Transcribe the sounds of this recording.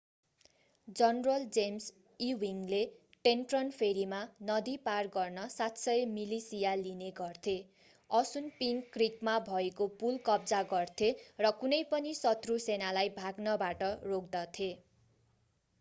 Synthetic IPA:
d͡zʌnrʌld͡zems | iwiŋle | ʈenʈrʌnpʰeɾimanʌd̪iparɡʌrnʌsat̪sʌjemilisijalineɡʌrt̪ʰe | ʌsunpiŋkrikmabʱʌekopulkʌbd͡zaɡʌrt̪ʰerʌkunʌjpʌnisʌt̪rusenalajbʱaɡnʌbaʈʌrokd̪ʌt̪ʰe

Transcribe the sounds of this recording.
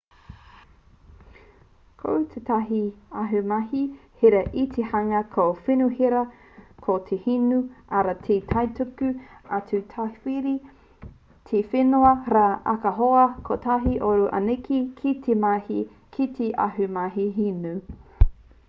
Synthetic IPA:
kʰo̰wt̪ʰet̪ɐɦiɐɦʉmɐhiheɾɐʔit̪ʰehɐŋɐkʰofinuhiɾɐ | kʰot̪ʰehinuʔaɾat̪ʰet̪ʰɐjtukʉɐtutʰafiɾi | t̪ʰefenuɐɾaːʔɐ̰kɐɦoɐkʰot̪ʰɐɦiʔoɾuʔɐ̰nikʰikʰit̪ʰemahi | kʰit̪ʰeʔɐ̰ɦʉmaɦiɦinu

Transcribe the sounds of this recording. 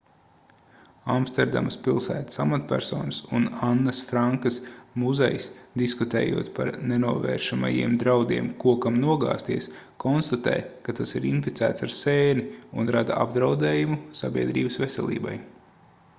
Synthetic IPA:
amst̪ɛɾd̪a̰mɐspilˠsæːt̪ḁsamat̪pʲæɾsɔːnsunanːɐsfɾaŋkɐsmuzɛ̰jsd̪iskut̪ɛ̰ːjuɔt̪paɾnenuɔvɛ̰ːɾʃama̰jiɛmd̪ɾawd̪iɛmkuɔkamnuɔɡa̰ːst̪iɛs | kɔnst̪at̪ɛ̰ːjkat̪asiɾinfit̪sæ̰ːt̪saɾsɛːniunɾad̪a̰abd̪ɾawd̪ɛːjumusabʲiɛd̪ɾiːbəsvesʲɛlˠḭːbaj

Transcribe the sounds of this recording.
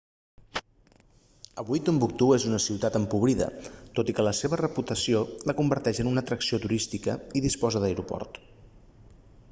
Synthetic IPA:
əβujt̪umbuk̚t̪uezunəsiwt̪at̪əmpuβ̞ɾiðə̰t̪ot̪ikələseβərəput̪əsioləkumbəɾt̪ɛʃənunət̪ɾəksiot̪uɾist̪ikəiðispɔzəðəjɾupɔ̰rt̪

